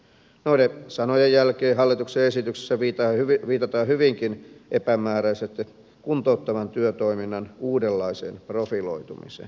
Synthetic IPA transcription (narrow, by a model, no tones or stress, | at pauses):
noinesɑnojejjælkeːɦɑlːit̪ukseesit̪ykse̥sːæʋit̪ɑyʋiːt̪ɑt̪ɑːhyʋiŋkinʔepæmæːɾæiset̪ː | kunt̪out̪ːɑʋɑnt̪yøt̪oiminːɑnuːdelːɑisḛːnprofilo̰it̪ṵmḭsḛːn